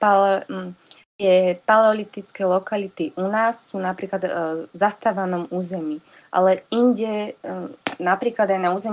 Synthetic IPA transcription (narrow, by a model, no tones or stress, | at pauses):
palɛ | t̪ɪɛpalɛɔlit̪it͡skɛlɔkalit̪iʔunaːsːuːnapɾiːklad̪zast̪aːʋanɔmuːzɛmiː | ʔa̰lɛiɲɟɛ | napɾiːklad̪ajnauːzɛm